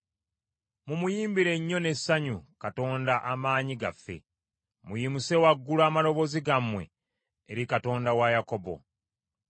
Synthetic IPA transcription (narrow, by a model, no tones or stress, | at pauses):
mumujiːmbiɾe̞ɲːo̞ne̞sːaɲukato̞ːndaʔamaːɲiɡa̰fːe̞̰ | mujimuse̞waɡːulaːmalo̞βo̞ziɡamːwe̞̰ː | ɾikato̞ːndawajako̞bo̞̰